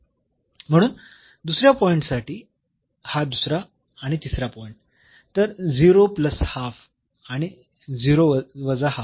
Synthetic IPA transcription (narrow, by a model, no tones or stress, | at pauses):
m̤əɽ̃uːn | d̪usɾjapɔiɳʈsaʈʰiː | had̪usɾaː | ɽ̃it̪isɾapɔiɳʈ | t̪əɾd͡ziɾopləshaf | aɽ̃i | d͡ziɾoəʋəd͡zaha